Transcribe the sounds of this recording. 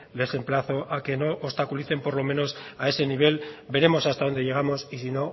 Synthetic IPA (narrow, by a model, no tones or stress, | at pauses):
le̞se̞mplaθoʔake̞no̞ʔost̪akuliθe̞mpo̞ɾlo̞mẽ̞no̞sae̞se̞niβ̞e̞lbe̞ɾe̞mo̞sast̪aðo̞nd̪e̞ʝe̞ɣ̞amo̞sisino̞